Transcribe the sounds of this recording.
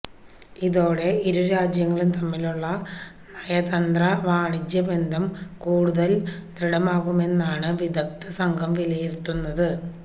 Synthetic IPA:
iðo̞ːɽe̞ʔiɾuɾaːd͡ʑjɐŋːɐɭumt̪ɐmːiluɭːɐ | nɐjɐðɐnd̪rɐʋaːɳid͡ʑjɐbe̞nd̪ʱɐmkuːɽuðɐlt̪riɽɐmaːɣume̞nːaːɳɨʋid̪ɐk̚t̪ɐsɐŋɡʱɐmʋilɐjiɾt̪ːunːɐðɨ

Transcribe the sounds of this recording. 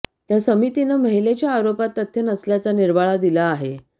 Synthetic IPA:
t̪jasəmit̪inəməɦilet͡ɕjaːɾopat̪ːət̪ʰjənəsljat͡saniɾbaɭad̪ilaːɦe

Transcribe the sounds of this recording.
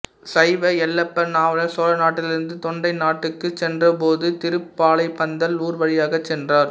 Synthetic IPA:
sɐɪʋɐɛlːɐpːɐnaːʋɐlɐsoːlɐnaːʈːɪlɪɾɯnd̪ɯt̪ɔɳɖɐɪnaːʈːɯkːɯt͡ʃɛndrɐpoːðɯt̪ɪɾɯpːaːlɐɪpːɐnd̪ɐluːɾʋɐɻɪjaːɣɐt͡ʃːɛndraːɾ

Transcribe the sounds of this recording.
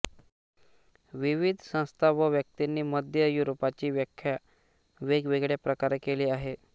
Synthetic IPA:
ʋiʋid̪ʱsə̃w̃st̪ʰaʋəʋjək̚t̪inːiːməd̪ʱjəjuɾopat͡ɕiːʋjəkʰːja | ʋeɡʋeɡɭjapɾəkaɾkeliːaɦe

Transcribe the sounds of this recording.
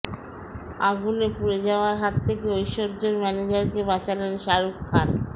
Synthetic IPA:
aɡunepuɾed͡ʑaoaɾɦat̪ʰːekeojʃoɾd͡ʑoɾmɛned͡ʑaɾkebat͡ɕalenʃaɾukʰːaɾ

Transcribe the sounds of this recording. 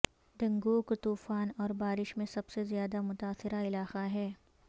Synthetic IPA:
d̪ɐ̃ŋɡoːkt̪uːfaːnɔːɾbaːɾɪʃmẽsɐbsezjaːd̪amʊt̪aːsɪɾaɪlaːqaɦɛː

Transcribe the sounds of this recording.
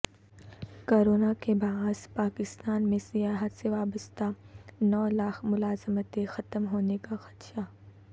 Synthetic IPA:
koːɾoːnakebaːzpaːkɪst̪aːnmẽsijaːɦət̪seʋaːbəst̪anɔːlaːkʰmʊlaːzəmət̪exɐt̪əmɦoːnekaxɐ̥t̪ʃa

